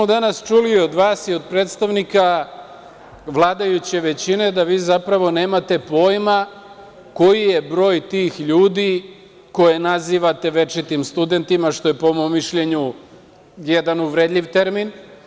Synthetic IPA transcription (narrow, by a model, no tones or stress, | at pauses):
mod̪anast͡ʃulio̞d̪ʋaːsiod̪̚pɾe̞ːt̪st̪aʋnika | ʋlˠaːd̪ajut͡ɕeʋe̞t͡ɕine̞d̪aʋiːzapɾaʋo̞ne̞ːmat̪e̞po̞jma | ko̞jije̞bɾo̞ːjt̪iːxʎuːd̪i | ko̞jenaziːʋat̪e̞ʋe̞t͡ʃit̪imst̪ud̪e̞nt̪imaʃt̪o̞je̞poomomːiʃʎe̞ɲu | jed̪anuʋɾe̞d̪ʎʲiʋt̪e̞ɾmin